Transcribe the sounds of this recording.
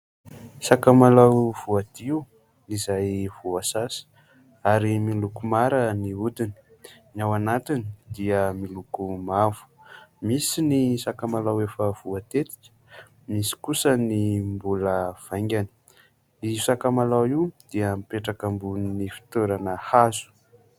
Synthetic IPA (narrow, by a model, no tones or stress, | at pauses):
sakamalawv̥uad̪̥iu | izajv̥uasasə̥ | aɾimilukumaɾəniud̪ini̥ | nawanat̪inid̪iəmilukumavu̥misinisakamalawefəv̥uat̪et̪i̥kə̥ | misi̥kusənimbuləv̥ajŋɡʲani̥ | isakamalawiwd̪̥iəmipeʈ͡ʂakambuninifi̥t̪oɾanəhazu̥